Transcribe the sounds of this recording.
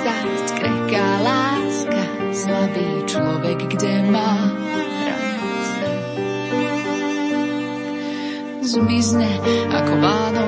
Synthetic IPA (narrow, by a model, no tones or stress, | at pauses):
a | tkɾɛkaːlaːska | zlad̪iːt͡ʃlɔʋɛɡːɟɛmaː | pɾa̰ | s | zmizɲɛa̰kɔvaːd̪ɔ